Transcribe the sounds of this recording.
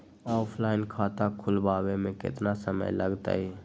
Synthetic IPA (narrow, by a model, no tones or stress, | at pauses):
ɔːpʰlaːɪnkʰaːt̪akʰʊlbaːwemẽkɪ̰t̪nasəmə̰jləɡt̪a̰ːɦɛ